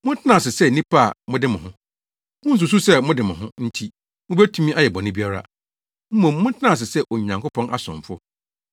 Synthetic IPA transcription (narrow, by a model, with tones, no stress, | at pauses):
mʊ̃˦n̩˦tʰɪ˦nã˦˨sɪ˨sɛ˦nĩ˦pʰa˦˨mʊ̃˦dɪ˦mʊ̃˨ʊ̃˦ | mʊ̃˦n̩˦s̬u˨s̬u˦sɛ˦mʊ̃˦dɪ˨mɪ̃˨hʊ̃˦n̩˦tʰi˦ | mʊ̃˦bɛ˦tʰu˦mĩ˦ʔa˦jɛ˨bɔ̃˨nʊ̃˦bi˦a˦ɾa̰˦ | m̩˦mõ˨mː˦ʊ̃˦tʰɪ˦nã˦˨s̬ɪ˨sɛ˦ʔo˨ɲã˨ŋkʊ˦pʰɔ̃˦nʔa˦sʊ̰̃˨ɱfʊ˦